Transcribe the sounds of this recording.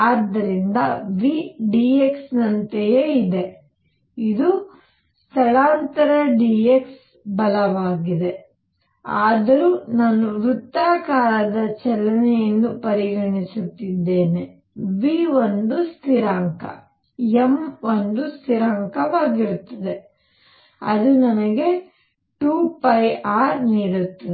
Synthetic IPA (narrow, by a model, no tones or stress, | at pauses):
aːd̪ːɐɾind̪ɐʋiɖiːeksnɐnt̪ejeid̪e̞ | id̪u | st̪ʰɐɭaːnt̪ɐɾɐɖieks | bɐlɐʋaːɡid̪e̞ | aːd̪ɐɾuːnaːnuɾut̪ːaːkaːɾɐd̪ɐt͡ʃɛlːɐnɛjɐnːupɐɾiɡɐɳisut̪ːid̪ːe̞ːne | ʋiːʋond̪ust̪ʰiɾaːŋkɐ̰ | emo̞nd̪ust̪ʰiɾaːŋkɐʋaːɡiɾut̪ːɐd̪e̞ | ɐ̰d̪unɐnɐɡe̞ | ʈuːpɐjʔaːɾniːɽut̪ːɐ